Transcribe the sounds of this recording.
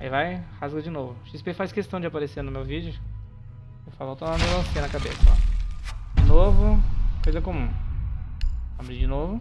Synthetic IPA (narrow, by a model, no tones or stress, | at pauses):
aivajhazɡɐd͡ʒɪnovʊʃispefajskest̪ɐ̃w̃d͡ʒɪapaɾeseɾnʊmewvid͡ʒʊ | favot̪õamelõsĩɐ̃nɐkabesɐɔ̰ | d͡ʒnovʊkojzɐkõmũ | abɾid͡ʒɪnovʊ